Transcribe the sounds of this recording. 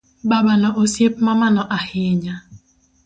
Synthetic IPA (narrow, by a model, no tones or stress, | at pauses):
babanɔʔosjep̚mamanɔʔahɪɲa